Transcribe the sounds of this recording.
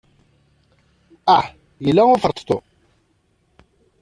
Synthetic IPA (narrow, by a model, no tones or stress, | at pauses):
aħ | jəlːæʊfəɾˤt̪ˤt̪o